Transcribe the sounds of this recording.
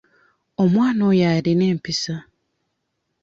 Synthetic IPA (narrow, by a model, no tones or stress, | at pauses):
omwaːnojaɾine̞ːmpisa